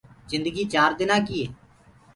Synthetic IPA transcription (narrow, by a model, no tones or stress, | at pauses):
zɪ̃nd̪əɡiːt͡ʃaːɾd̪ɪnãːkiːeː